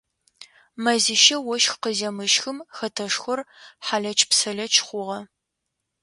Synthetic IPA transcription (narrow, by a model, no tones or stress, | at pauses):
mɐzɪʃɐwɔʃxqəzɐmɨʃxɨmxɐtʰɐʂxʷʊrħaːɮɐt͡ʃʰʼpsɐɮɐt͡ʃʰχʷʊʁɐ